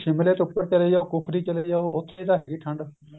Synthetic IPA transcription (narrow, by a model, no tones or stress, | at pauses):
ʃɪmleːt̪ʊpːəɾt͡ʃəleːd͡ʒaːokʊpʰɾiːt͡ʃəleːjaːoʊt̪ʰːet̪aːɦɛːɡiːʈʰə̃ɳɖ